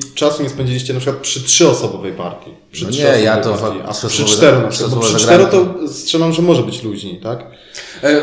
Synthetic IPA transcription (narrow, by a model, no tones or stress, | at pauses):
t͡ʂasuɲɛspɛɲd͡ʑilʲiɕt͡ɕɛnapʂɨkwat̪̚pʂɨtʂɘɔsɔbɔvɛjpa̰ɾk̪ʲi | pʂɨʂɲɔɛɔjaɔjt̪ɔaɾakipʂɨt̪ɛɾɔnapʂɨw̪bɔpʂɨɾɛɾɔt̪ɔstʂɛlamʐɛmɔʐɛbɘt͡ɕluʑɲit̪ak